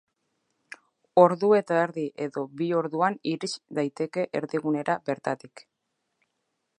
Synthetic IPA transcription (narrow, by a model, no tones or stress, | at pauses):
o̞ɾðue̞t̪aeɾðiʔe̞ðo̞βio̞ɾðuaniɾisd̪ajt̪e̞ke̞ʔeɾðiɣune̞ɾʔabe̞ɾt̪at̪ik